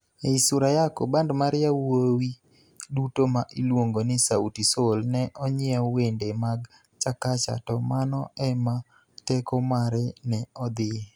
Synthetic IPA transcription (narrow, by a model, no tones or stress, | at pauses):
eisʊɾajakobandmaɾɪjawowi | dutomaʔilwoŋɡonɪsautisolnɛʔɔɲɪɔwendemaɡ | t͡ʃakat͡ʃa̰tɔmanɔʔɛma | tɛkɔmaɾɛnɛɔd̪ɪ